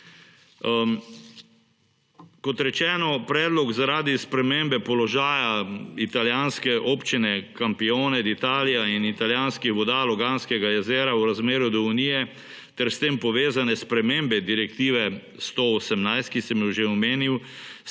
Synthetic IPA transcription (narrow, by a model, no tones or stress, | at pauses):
kɔt̪ɾɛt͡ʃɛːnɔpɾɛːd̪lɔkzaɾaːd̪ispɾɛmeːmbɛpɔlɔʒaːjait̪aljaːnskɛʔoːpt͡ʃinɛkampioːnɛd̪it̪aːlijainit̪aljaːnskixʋɔd̪aːlɔɡaːnskɛɡajɛzeːɾawɾazmeːɾjud̪ɔuniːjɛ | t̪ɛɾst̪eːmpɔʋeːzanɛspɾɛmeːmbɛd̪iɾɛk̚t̪iːʋɛ | st̪oosɛmnajst̪̚kisɛmjuwʒeɔmeːniw